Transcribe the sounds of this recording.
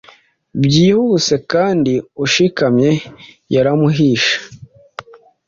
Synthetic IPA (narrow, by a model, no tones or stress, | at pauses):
bjiːhuːse̞kaːndiuʃikamɲe̞ | jaɾamuɦiːʃḁ